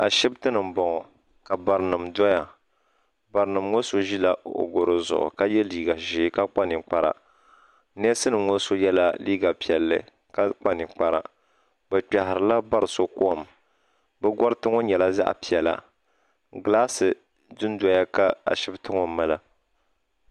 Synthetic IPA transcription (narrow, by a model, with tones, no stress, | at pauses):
a˨ʃɪ˦btɨ˦nɨ˨m̩˨bɔ˨ŋɔ˨ | ka˨ba˨ɾɨ˨nɨ˨mdɔ˦ja˨ | ba˨ɾɨ˨nɨ˨mŋo˦so˦ʒi˦la˦˨ʔo̰˨ɡo˨ɾɨ˨zʊ̰˨ʔʊ̰˨ka˦jɛ˦liː˦ɡa˨ʒɪ˨˦ka˦k͡pa˦nɪ˨k͡pa˦ɾa̰˨ | nɛ˦sɨ˦nɨ˨ŋo˦so˦jɛ˦la˦liː˦ɡa˨pi˨ɛ˨lːɨ̰˨ | ka˦k͡pa˦nɪ˨k͡pa˦ɾa̰˨ | bɛ˨k͡pa˨hɪ˨ɾɨ˨la˦ba˦ɾɨ˨so˦ko˦a˨m | bɛ˦ɡɔ˦ɾɨ˦tɨ˦ŋɔ˦ɲɛ˨la˦za̰˦ʔpi˨ɛ˨la̰˨ | ɡɨ˨laː˦sɨ˨ | dɨ˦n˦dɔ˦ja˦ka˦a̰˨ʃɪ˦btɨ˦ŋɔ˨˦ma˦la˦